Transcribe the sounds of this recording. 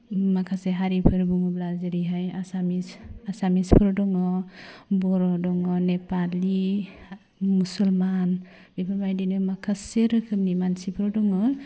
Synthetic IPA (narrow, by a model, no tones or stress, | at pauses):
makʰaseɦaɾipʰɯɾbuŋɔblazɯɾiɦajasamisasamispʰɾɔdɔŋɔbɔɾɔdɔŋɔnepali | musulman | bipʰɾbajdinɯmakʰaseɾɯkʰɯmnimansipʰɾɔdɔŋɔ